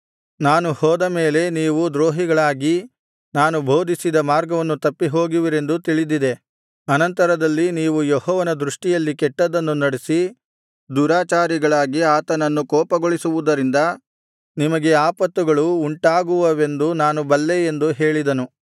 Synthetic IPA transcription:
naːnuhɔːd̪ɐme̞ːle̞niːʋud̪ɾoːɦiɡɐɭaːɡi | naːnubʱo̞ːd̪ʱisid̪ɐmaːɾɡɐʋɐnːut̪ɐpːiɦo̞ːɡiʋiɾe̞nd̪ut̪iɭid̪id̪e̞ | ɐnɐnt̪ɐɾɐd̪ɐlːiniːʋujeɦɔːʋɐnɐd̪ɾuʂʈijɐlːikɛʈːɐd̪ɐnːunɐɽesi | d̪uːɾaːt͡ʃaːɾiɡɐɭaːɡiaːt̪ɐnɐnːukɔːpɐɡoɭisuʋud̪ɐɾind̪ɐ | nimɐɡe̞aːpɐt̪ːuɡɐɭuːɳʈaːɡuʋɐʋe̞nd̪unaːnubɐlːeend̪uɦe̞ːɭid̪ɐnu

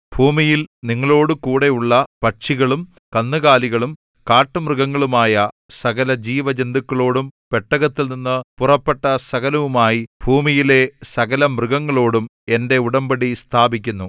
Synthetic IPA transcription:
bʱuːmijilniŋːɐɭo̞ːɽɨkuːɽe̞uɭːɐpɐʈʂiɣɐɭum | kɐnːɨɣaːliɣɐɭum | kaːʈːɐmrɨɣɐŋːɐɭumaːjɐ | sɐɣɐlɐd͡ʑiːʋɐd͡ʑend̪ukːɐɭo̞ːɽumpe̞ʈːɐɣɐt̪ːilninːɨpurɐpːe̞ʈːɐsɐɣɐlɐʋumaːjib̥ʱuːmijile̞sɐɣɐlɐmrɨɡɐŋːɐɭo̞ːɽum | e̞nde̞uɽɐmbɐɽist̪ʰaːbik̬ʲːunːu

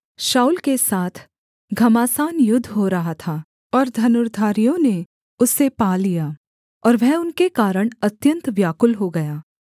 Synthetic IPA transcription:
ʃaːulkesaːt̪ʰ | ɡʱɐmaːsaːnjʊd̪ʱːɦoɾɐɦat̪ʰaː | ɔːɾd̪ʱɐnʊɾd̪ʱaːɾijõne | ʊsːepaːlijaː | ɔːɾʋɛɦʊnkekaːɾəɽ̃ɐt̪jə̃nt̪ʋjaːkʊlɦoɡɐjaː

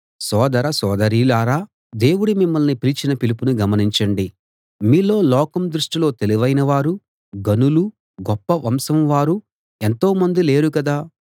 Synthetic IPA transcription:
sɔːd̪ɐɾɐsɔːd̪ɐɾiːlaːɾaː | d̪e̞ːwuɽumimːɐlnipiɾit͡ʃinɐpilipunuɡɐmɐniɲt͡ʃɐɳɖi | miːlo̞ːlɔːkɐmd̪ɾuʂʈilo̞ːt̪e̞liʋɐjnɐʋaːɾu | ɡɐnulu | ɡɔpːɐʋɐmsɐmʋaːɾu | e̞nt̪o̞ːmɐnd̪ile̞ːɾukɐd̪aː

